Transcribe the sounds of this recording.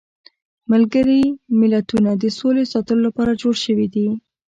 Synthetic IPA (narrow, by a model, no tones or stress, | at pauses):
malɡəɾimɪlat̪unad̪əsolesɑt̪əlolapɑɾad͡ʒoɽʃəwid̪i